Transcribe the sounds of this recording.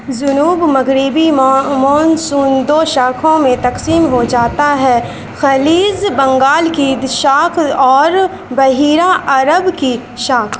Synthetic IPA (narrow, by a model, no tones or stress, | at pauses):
zʊnuːbmɐɣɾiːbimoːnsuːnd̪oʃaːkʰõmẽt̪ɐqsiːmɦod͡ʒaːt̪aɦɛː | xɐliːzbɐ̃ŋɡaːlkid̪ɪʃaːkʰɔːɾ | bɐɦiːɾaʔɐɾəbki | ʃaːkʰ